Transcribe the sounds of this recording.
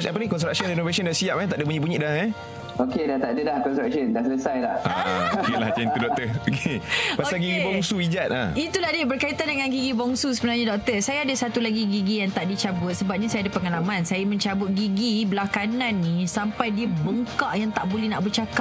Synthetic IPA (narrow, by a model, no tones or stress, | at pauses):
apanĩkɔnst̪ɾak̚səninovasɔndaʔsiaʔ̚kant̪aʔdəpuɲibuɲiʔdaŋa | okedant̪aʔdədahkɔnstɾak̚sɔndaʔsələsajlahʔaokela̰ht͡ʃɛnt̪udɔk̚t̪əokepasalɡiɡibɔŋsuid͡ʒat̪̚ʔa̰it̪uladibərkait̪andəŋanɡiɡibɔŋsus̬əbənarɲadɔk̚t̪əsajaːdasat̪ulaɡiɡiɡijaŋt̪aʔdit͡ʃabʊt̪̚səbap̚ɲasajadapəŋalamãnsajamə̃ɲt͡ʃabʊt̪̚ɡiɡibəlakananːisampajdiəbəŋkaʔjaŋt̪aʔbolɛhnaʔbərt͡ʃakap̚